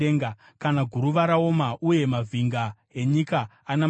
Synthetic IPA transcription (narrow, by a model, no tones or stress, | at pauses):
eŋɡa | kanaɡʱuɾuʋaɾao̞maʔuje̞mavʱiŋɡa | e̞ɲikaːna